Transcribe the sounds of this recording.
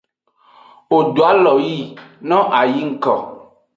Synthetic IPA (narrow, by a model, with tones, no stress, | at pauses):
wo˨ɖo˨a˦lɔ˨ji˦˨nɔ̃˦ʔa˨ji˦ŋ̩˦˨kɔ̰˨